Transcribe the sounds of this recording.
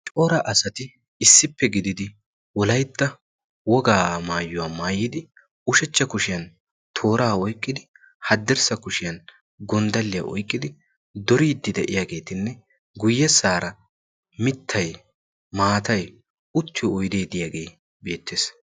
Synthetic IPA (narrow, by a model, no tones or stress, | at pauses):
t͡ʃʼɔɾɐʔɐsɐt̪ɪ | ɪsːɪpːɛɡɪd̪ɪd̪ɪ | wɔlɐjt̪ːɐ | wɔɡaːmaːjːʊwaːmaːjːɪd̪ɪ | ʊʃɛt͡ʃːɐkʊʃɪjɐn | t̪ʰo̞ːɾaːɔjkʼːɪd̪ɪ | hɐd̪ːɛɾsɐkʊʃɪjɐn | ɡɔnd̪ɐlːɪja̰ʔɔ̰jkʼːɪd̪ɪ | d̪ɔɾiːd̪ːɪd̪ɛʔɪjaːɡe̞ːt̪ɪnːɛ | ɡʊjːɛsaːɾɐ | mɪt̪ʰːɐj | maːt̪ɐj | ʊt̪ːɪjɔːjd̪e̞ːd̪ɪjaːɡe̞ː | be̞ːt̪ːeːs